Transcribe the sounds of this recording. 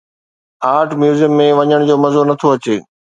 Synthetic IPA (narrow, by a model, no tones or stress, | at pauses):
aːɾʈʰmjuːzijəmːẽʋɐɲəɽ̃d͡ʑoːmɐzonɐt̪ʰoɐt͡ɕeː